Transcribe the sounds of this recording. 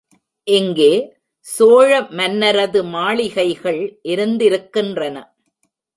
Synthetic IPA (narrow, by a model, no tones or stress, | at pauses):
ʔɪŋɡeː | soːɻɐmɐnːɐɾɐðɯmaːɭɪɣɐɪɣɐɭʔɪɾɯnd̪ɪɾɯkːɪndrɐnɐ